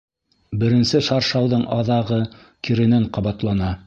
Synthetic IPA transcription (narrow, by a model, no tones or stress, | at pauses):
bɘ̆ɾɘ̆nsɘʃɑɾʃɑwðɤɴʔɑðɑʁɤ | kiɾɘ̆næɴqɑβɑt̪lˠɑnɑ